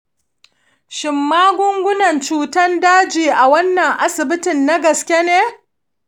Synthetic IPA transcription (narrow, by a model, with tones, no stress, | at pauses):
ʃɪ˨mːaː˦ɡʷʊ˦ŋɡʷʊ˦nɐ˨nt͡ʃuː˦tɐ˦ndaː˦d͡ʒiː˨ʔa˨wɐ˦nːɐ˨ŋʔa˦sɪ˨bɪ˦tɪ˨nːa˦ɡɐ˨skʲe˦neː˦